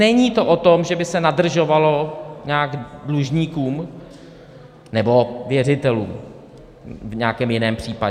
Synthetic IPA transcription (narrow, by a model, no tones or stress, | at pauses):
nɛɲiːt̪o̞ʔot̪omʒɛbɪsɛnadr̩ʒo̞valo̞ɲaːɡdluʒɲiːkuːm | nɛbo̞vjɛrɪt̪ɛluːm | vɲɛakɛːmjɪnɛːmpr̝̥iːpaɛ